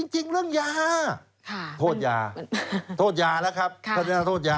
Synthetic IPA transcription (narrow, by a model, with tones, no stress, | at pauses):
t͡ɕi˧ŋt͡ɕi˧ŋɾɯ˥˩əŋjaː˧ | kʰa˩t̪ʰoː˧˩t̪̚jaː˧t̪ʰoː˥˩t̪̚jaː˧lɛ˦˥wkʰa˦˥p̪̚ʰoː˥˩t̪jaː˧t̪ʰoː˥˩t̪̚jaː˧